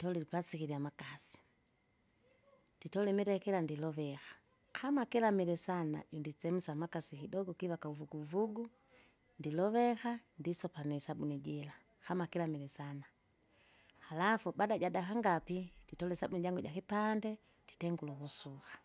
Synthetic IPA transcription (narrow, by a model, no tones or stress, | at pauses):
ditɔlɛlipasikiɾiamakasi̥ | d̥itɔlɛmiɾɛkɛlandilɔvɛxḁ | kamakilamilɛsana̰jundisɛmusamakasikidɔɡɔkiβakauvuɡuːvuɡu | ndilɔvɛxandisɔpanɛsabuniɟɛla | hamakilamilɛsana | lafubadaɟadakaŋɡapid̥itɔlɛsabuniɟaŋɡuɟakipandɛ | d̥i̥tɛŋɡulukusuxḁ